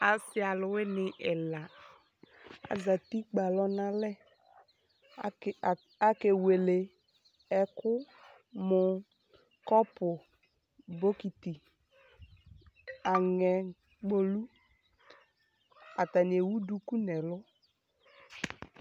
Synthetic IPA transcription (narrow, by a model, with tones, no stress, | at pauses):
a˨sɪ˦a˨lʊ˨wɪ˦nɪ˨ʔɛ˨la˨ | a̰˨za˨ti˦k͡pa˨lɔ˦na˦lɛ˦˨ | a˦ke˨we˨le˨ | ɛ˦kʊ˦ | mʊ˨ | kɔ˦pʊ˨ | bo˦ki˨ti˨ | a˨ŋɛ˨ | k͡po˨lu˦ | a˨ta˨nɪ˨e˨wu˦du˦ku˦nɛ˨lʊ˦